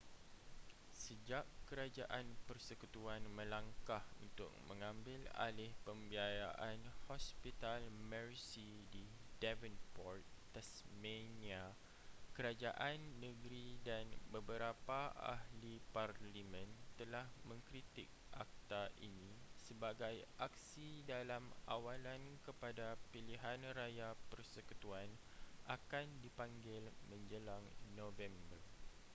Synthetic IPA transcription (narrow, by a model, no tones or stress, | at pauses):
səd͡ʒaʔkəɾad͡ʒaʔanpərsəkut̪uanmə̃laŋkahunt̪ʊ̰k̚mə̃ŋãmbɪla̰lɪhpəmbiajaʔanhɔspit̪almərsididɛvənpɔrt̪̚t̪asmenia | kəɾad͡ʒaʔanːəɡɾidanbəbəɾapaʔa̰hliparlimə̃nt̪əlahmə̃ŋkɾit̪ik̚ʔa̰k̚t̪aʔḭnĩsəbaɡajak̚sidalama̰walankəpadapiliɦanrajapərsəkut̪uanʔakandipaŋɡɪlmə̃ɲd͡ʒəlaŋnõvɛmbər